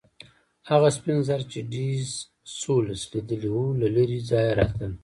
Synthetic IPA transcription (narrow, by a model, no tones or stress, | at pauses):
haɣaspinzaɾt͡ʃeɖiz | solaslid̪əliwulaləɾizɑjaɾɑt̪ən